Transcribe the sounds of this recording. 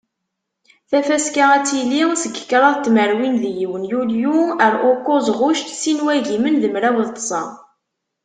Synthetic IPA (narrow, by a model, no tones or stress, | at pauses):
θæfæskaæt͡sːilːisəɡə̥kːɾˤɑðˤt̪ːməɾwinðjiwənjuljuəɾʊkːozˤʁʊʃt̪sinwæʝimənðəmɾæwəðt̪ˤːə̥sˤɑ̰